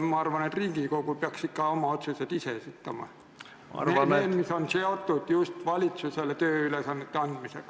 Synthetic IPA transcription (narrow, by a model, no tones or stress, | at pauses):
mɑɑrʋɑnet̪riŋɡ̥ikoukupiɑksikːɑomɑot̪suset̪isesit̪ːɑmɑ̰ | enenmisonseot̪ːut̪just̪ʋɑlit̪suselt̪øːylesɑnːet̪ːeɑnd̥̪misek